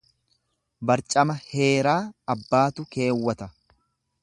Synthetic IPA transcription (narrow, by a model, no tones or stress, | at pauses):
bɐɾt͡ʃʼɐmɐhe̞ːɾaːɐbːaːt̪ʊke̞ːwːɐt̪ɐ